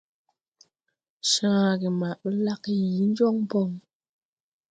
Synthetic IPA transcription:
ʃãː˦˨ɡe˨ma˨ʔɓə˦la˦kji˨˦n˦d͡ʒɔ˦ŋ˦pɔ˦˨ŋ

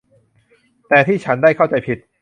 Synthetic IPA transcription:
t̪ɛː˨˩t̪ʰiː˥˩t͡ɕʰa˦˥ndaː˥˩jkʰa˥˩wt͡ɕa˧jpʰi˨˩t̪̚

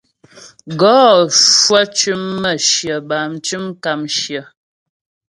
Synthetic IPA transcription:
ɡɔː˨˦ʃwa˦t͡ʃʉ˦mːə˦˨ʃjə˨ba˨m̩˨t͡ʃʉ˦mka˨mʃjə˨

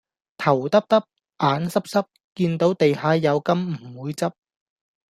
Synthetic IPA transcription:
t̪ʰɐ˨˩wt̪ɐ˥p̚t̪ɐ˥p̚ | ʔaː˨˥nsɐ˥p̚sɐ˥p̚ | kiː˧nt̪o˨˥wt̪e˨jɦaː˨˧jɐ˨˧wkɐ˥m̩˨˩wuː˨˧jt͡sɐ˥p̚

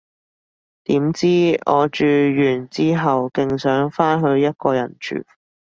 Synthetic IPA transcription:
t̪iː˨˥mt͡siː˥ɔː˨˧t͡ʃyː˨˧jyː˨˩nt͡siː˥ɦɐ˨wkɪ˧ŋsœː˨˥ŋfaː˥nɦɵ˧ɥjɐ˥t̚kɔː˧jɐ̰˨˩nt͡ʃʰy̰ː˨˩

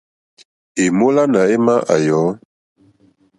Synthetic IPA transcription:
e˨mo˦la˦na˨e˦ma˦ʔa̰˨jɔː˨˦

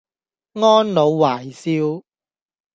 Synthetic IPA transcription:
ŋɔː˥nlo˨˧wwaː˨˩jsiː˦˥w

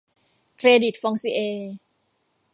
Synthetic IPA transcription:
kʰɾeː˧di˨˩t̪̚fɔ˧ŋsi˧ʔeː˧

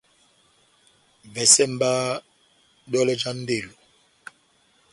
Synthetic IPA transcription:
vɛ˨sɛ˦˨m̩˦ba˦ | ɗɔ˦lɛ˦d͡ʒa˦n̩˦de˦˨lo˨

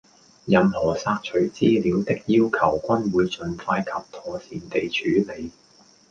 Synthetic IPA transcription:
jɐ˨mhɔː˨˩saː˧k̚t͡ʃʰɵ˨˩ɥt͡siː˥liː˨˥wt̪ɪ˥k̚jiː˥wkʰɐ˨˩wkʷɐ˥nwuː˨˧jt͡sɵ˨˧nfaː˧jkʰɐ˨p̚t̪ʰɔː˨˩siː˨nt̪e˨jt͡ʃʰyː˨˥le˨˧j

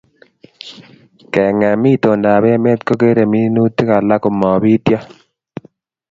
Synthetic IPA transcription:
kɛ˨ŋa˨mi˦˨t̪o˨nda˨bɛ˦a˦me˦t̪ko˦ke˦ɾe˨mi˦nu˦t̪ːi˦ka˨la˦ko˨mɔ˨bi˦t̪ja˦

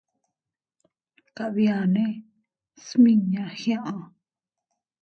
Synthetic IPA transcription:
ka˨βi˧ã˨nẽ˦ | smĩ˦ɲã˨hj̃ã˦ʔã˧

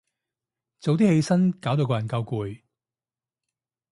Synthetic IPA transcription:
t͡so˨wt̪i˥he˧jsɐ˥nkaː˨˥wt̪o˧kɔː˧jɐ˨˩nkɐ˧wkuː˨˧j

